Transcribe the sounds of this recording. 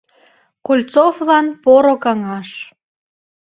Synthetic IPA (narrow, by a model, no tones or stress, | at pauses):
kulʲt͡soflɑnpoɾokɑŋɑʃ